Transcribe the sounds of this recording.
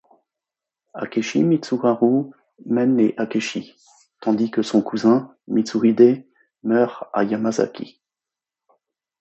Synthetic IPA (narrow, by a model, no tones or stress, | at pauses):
a̰kʲeʃḭmit̪suʁaʁu | mɛneʔakʲeʃi | t̪ɑ̃d̪ikəsɔ̃kʰuzɛ̃ | mit̪suʁid̪e | mœʁa̰jamaza̰kʲʰḭ